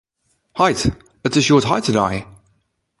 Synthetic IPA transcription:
haɪt | ɪtsəʃɔːtɦaɪtʰədaɪ

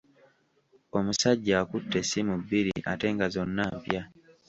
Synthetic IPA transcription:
omusaɟːaːkutːesimubiɾḭʔa̰tɛŋɡazonːapja

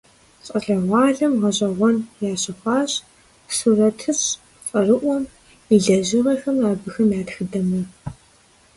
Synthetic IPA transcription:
ɕʼɐɬɐʁʷɑːɮɐmʁɐʑʼɐʁʷɔnjaːɕɪχʷɑːɕ | suːrɐtʰɨɕ | t͡sʼɐrɨʔʷɔm | iɮɐʑɪʁɐxɐmaːbɨxɐmjaːtxɨdɐmɐ

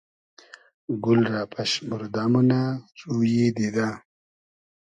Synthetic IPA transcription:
ɡulɾaːpʰɐɕmuɾd̪aːmunaɾuːjid̪id̪a

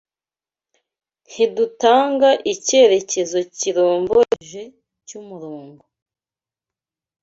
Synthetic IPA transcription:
n̥hidutaːŋɡaʔice̞ːɾe̞ce̞zo̞ciɾoːmboeʒe | cumuɾoːŋɡo

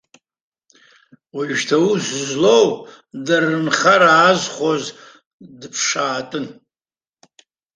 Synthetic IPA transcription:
watʰauszlow | darɨnχaɾaːzχʷoz | dpʰʂaːtʼɨn

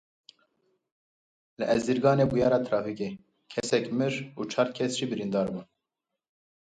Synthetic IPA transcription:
lɨʔɛzd̪iɾɡɑːneːbujɑːɾɑːt̪ʰɾɑːfikeː | kʰɛsɛkmɨɾuːt͡ʃʰɑːɾkʰɛsʒ̥iːbɨɾind̪ɑːɾbuːn

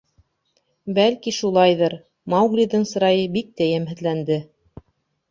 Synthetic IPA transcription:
bælkiʃulˠɑjðɤɾ | mɑwɡlʲiðɤŋsɤ̆ɾɑjɤbik̚t̪æjæmɦɘ̆ðlænd̪ɘ

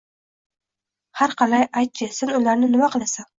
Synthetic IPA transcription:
haɾqʰɑlajajt̪̚kʲʰɪsɪnʊlaɾnɪnɪmaqɨlˠasan

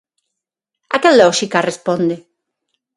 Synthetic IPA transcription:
akelɔʃikarespõnd̪e

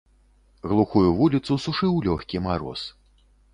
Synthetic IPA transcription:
ɣlˠuxujuvulʲit̪susuʂɨwlʲɔxʲkʲimaɾɔ̰s

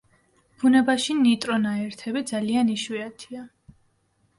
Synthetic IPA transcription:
b̥unɛbaʃinit̪ʼɾɔnaɛɾt̪ʰɛbid̪zalianiʃwiat̪ʰia

